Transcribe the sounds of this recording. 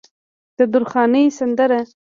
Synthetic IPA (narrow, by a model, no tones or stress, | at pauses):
d̪̥əd̪ʊɾxɑnəjsand̪əɾa